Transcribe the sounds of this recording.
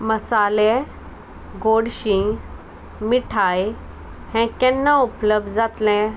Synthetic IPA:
məsalɛ̃ | ɡoɽɕĩ | miʈʰaj | hɛ̃kɛ̃nːaupləb̚d̪d͡zat̪lɛ̃

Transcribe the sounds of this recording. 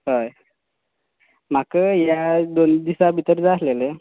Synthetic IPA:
ɦəj | m̤akəjad̪ond̪isabʱit̪əɾd͡zaslele

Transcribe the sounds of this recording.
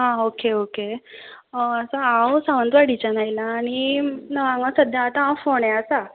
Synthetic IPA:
ɦãokeoke | əsaãwsaʋənd̪ʋaɽit͡ɕanajilaːɽ̃inəʋãŋɡãsəd̪ʱjãːt̪ããwfoɳeasa

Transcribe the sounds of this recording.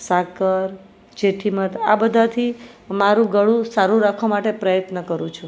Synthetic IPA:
sakəɾ | d͡ʒeʈʰimət̪ʰa̰bəd̪ʱat̪ʰimaɾũɡəɭũsaɾũɾakʰʋamaʈepɾəjət̪nəkəɾũt͡ʃʰu

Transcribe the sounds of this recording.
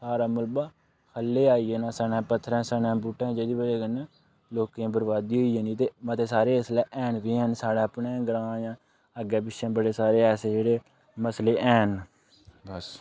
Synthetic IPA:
saːɾaːmʊlbaː | kʰəlːeːaːijeːnãːsanɛ̃ːpət̪ʰːɾɛ̃ːsəːnɛ̃ːbuːʈːɛ̃ːd͡ʒeːd̪iːbəɾeːkəne | loːkẽːbəɾbaːd̪iːɦoijeːniːt̪eːmət̪eːsaːɾeːəslɛːʔɛːnʋiːɦɛːnsaːɽaːəpnẽːɡɾãːjãː | əɡɛːbɪʃẽːbəɽeːsaːɾeːɛːseːd͡ʒeːɽeː | məsleːʔɛːn

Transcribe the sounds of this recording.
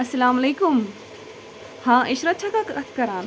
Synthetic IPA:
ɐsɐlaːmɐleːkum | hãːʔiʃɾɐt̪̚t͡ʃʰakakɐɾaːn

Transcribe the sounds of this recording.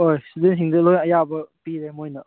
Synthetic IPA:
ojsid̪inɦiŋdɐlojnɐjabɐpiɾemojnɐ

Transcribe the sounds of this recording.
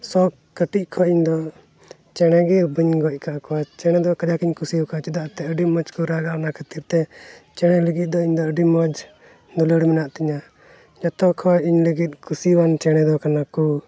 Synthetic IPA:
sɔ | kəʈiʔ̚kʰɔʔiɲd̪ɔ | t͡ʃɛɽ̃ɛɡɛbəɲɡɔc̚ˀkaʔkɔwat͡ʃɛɽ̃ɛd̪ɔkad͡ʒakiɲkusiɔkat͡ʃɛd̪aʔt̪ɛəɖiməd͡ʒkɔɾaɡanakʰat̪iɾt̪ɛt͡ʃɛɽ̃ɛləɡit̪̚d̪ɔiɲd̪ɔəɖimɔd͡ʒ | nɔləɽimɛnaʔt̪iɲa | d͡ʒɔt̪ɔkʰɔiɲləɡit̪̚kʰusiwant͡ʃɛɽ̃ɛd̪ɔkanaku

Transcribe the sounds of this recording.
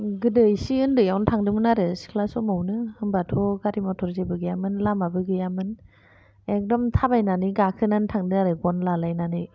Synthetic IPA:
ɡɯdɯjsiɯndɯjawntʰaŋdɯmɯnaɾɯsi̥kʰlasɔmawnɯhɯmbatʰɔɡaɾimɔtʰɔɾzebɯɡɯjamɯnlamabɯɡɯjamɯn | ek̚dɔmtʰabajnaniɡakʰɯnantʰaŋdɯaɾɯɡɔnlalajnanɯ

